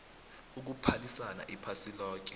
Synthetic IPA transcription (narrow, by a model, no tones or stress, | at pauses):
uk̬upʰalisana̰ʔipʰasilɔːk̬ʼɛ